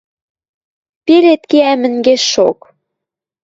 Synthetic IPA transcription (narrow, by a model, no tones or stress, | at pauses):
pelet̪keæmɘ̆nɡeʃʃok